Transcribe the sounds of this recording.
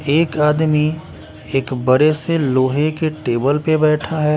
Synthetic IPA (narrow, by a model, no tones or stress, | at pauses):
eːkaːd̪mi | eːkbɐɾeseloːɦekeʈeːbəlpebɛːʈʰaɦɛː